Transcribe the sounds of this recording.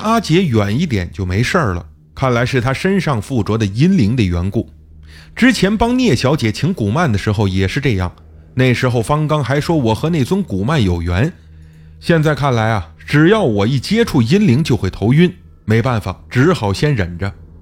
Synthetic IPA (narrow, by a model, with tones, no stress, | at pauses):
a˥t͡ɕjɛ˧˥ɥɛ˨˩ni˥˩t̪̬jɛ̰˨˩˦nt͡ɕjo˥˩ʊme˧˥ɪʂə˞˥˩lə̰˩ | kʰa˥˩nla˧˥ɪʂɻ̩˥˩t̪ʰa˥ʂə˥nʂɑ˥˧ŋfu˥˩t͡swɔ˧˥d̪ə˨i˥nli˧˥ŋd̪ə˧˨ɥɛ˧˥nku˥˩ | ʈ͡ʂɻ̩˥t͡ɕʰjɛ˧˥npɑ˥ŋnjɛ˥˩ɕjɑ˧˥ʊt͡ɕjɛ˨˩t͡ɕʰi˧˥ŋku˨˩ma˥˩nd̪ə˩ʂɻ̩˧˥xo˧ʊjɛ˨˩ʂɻ̩˥˧ʈ͡ʂɤ˥˧jɑ̰˥˩ŋ | ne˥˩ɪʂɻ̩˧˥xo˥˧ʊfɑ˥ŋkɑ˥ŋxa˧˥ɪʂwɔ˥wɔ˨˩xɤ˧˥ne˥˩ɪt͡sʊ˥ŋku˨˩ma˥˩njo˨˩ʊɥɛ˧˥n | ɕjɛ˥˧nt͡sa˥˧ɪkʰa˥˩nla˧˥ɪɐ˨ | ʈ͡ʂɻ̩˨˩jɑ˥˩ʊwɔ˨˩i˥˩t͡ɕjɛ˥ʈ͡ʂʰu˥˩i˥nli˧˥ŋt͡ɕjo˥˧ʊxwe˥˩ɪt̪ʰo˧˥ʊy˥n | me˧˥ɪpa˥˩nfa̰˨˩ʈ͡ʂɻ̩˧˥xɑ˨˩ʊɕjɛ˥nɻə˨˩nʈ͡ʂə˦